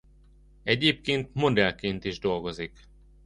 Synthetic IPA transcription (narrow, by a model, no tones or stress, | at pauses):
ɛɟeːp̚keːnt̪mo̞d̪ɛlkeːnt̪iʒd̪o̞lɡo̞zik